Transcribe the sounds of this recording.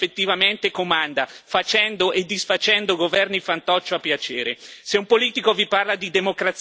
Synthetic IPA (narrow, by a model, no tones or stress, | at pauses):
et̪ːivament̪ekomand̪afat͡ʃɛnd̪oʔed̪ːisfat͡ʃɛnd̪oɡovɛrnifant̪ɔt͡ʃːoapːjat͡ʃeːɾeseumpoliːt̪ikoviparlad̪id̪emokɾat̪s